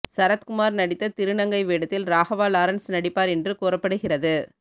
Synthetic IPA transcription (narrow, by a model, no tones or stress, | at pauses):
sɐɾɐt̪kʊmaːɾnɐɽɪt̪ːɐt̪ɪɾɯɳɐŋɡɐɪʋeːɽɐt̪ːɪlɾaːɣɐʋaːlaːɾɐɳsnɐɽɪpːaːɾɛndrɯkuːrɐpːɐɽɯɣɪrɐðɯ